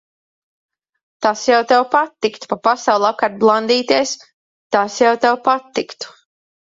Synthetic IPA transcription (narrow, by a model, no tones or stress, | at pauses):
t̪asjawt̪ɛwpat̪ːikt̪u̥papasawlˠap̚kaɾt̪̚blˠand̪iːt̪iɛs | t̪asjawt̪ɛwpat̪ːikt̪u̥